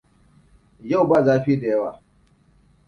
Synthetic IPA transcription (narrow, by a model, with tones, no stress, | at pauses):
ja˦˨wbaː˦˨zaː˦ɸi˦i˦da˨ja˦waː˨